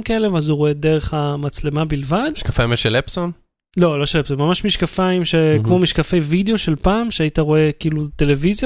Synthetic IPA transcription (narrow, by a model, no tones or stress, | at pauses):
mkaelevazuʁoe̞de̞ʁe̞χamat͡sle̞mabilvad̪ʃkafaimjeʃelepson | lo̞lo̞ʃelepsonmamaʃmiʃkafaimʃekmo̞miʃkafe̞jvideo̞ʃe̞lpaːmʃeaitaʁo̞e̞kiːlute̞le̞vizja